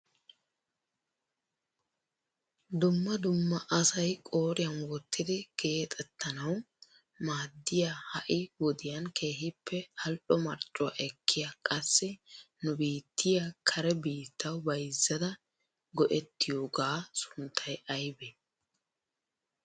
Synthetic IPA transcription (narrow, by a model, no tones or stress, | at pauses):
d̪ʊmːɐd̪ʊmːɐʔɐsɐjkʼoːɾɪjɐnwɔt̪ʰːɪd̪ɪɡ̥e̞ːt̪ʼɛt̪ːɐnɐw | maːd̪ːɪjahɐʔɪwɔd̪ɪjɐnkʰe̞ːɦɪpʰːɛhɐlɗɔmɐɾt͡ʃʼʊa̰ʔɛkʰːɪjakʼɐsːɪnʊbiːt̪ːɪjakʰɐɾɛbiːt̪ʰːɐwbɐjzːɐd̪ɐ | ɡɔʔɛt̪ːɪjoːɡaːsʊ̥nt̪ʰːɐjɐjbɛ